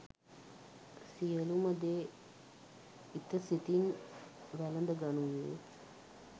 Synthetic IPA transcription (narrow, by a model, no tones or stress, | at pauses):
sijəluməd̪eː | it̪əsit̪inʋælənd̪əɡanunːḛ